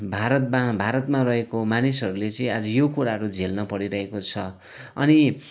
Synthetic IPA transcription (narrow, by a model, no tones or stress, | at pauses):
bʱaɾʌt̪mabʱaɾʌt̪marʌɦekomanisʌɾulet͡sʌĩad͡zʌjokuɾaɦʌɾud͡zʱelnʌpʌɽiɾʌɦekot͡sʰʌ | ʌ̰ni